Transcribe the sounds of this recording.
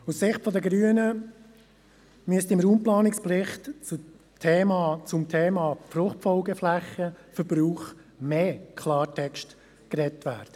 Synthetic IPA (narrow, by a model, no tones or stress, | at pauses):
ussɪχtfɔd̪əɡɾyːənə | myəstɪmɾuːmplɑːnɪksplɪχtt͡su | tʰeːmɑt͡sʊmtʰeːmɑːfɾʊχtfɔlɡəflæχəfəɾb̥ɾuːχ | meːkʰlɑːɾtʰɛkʃt | kɾɛtʋæ̰ːɾd̥ə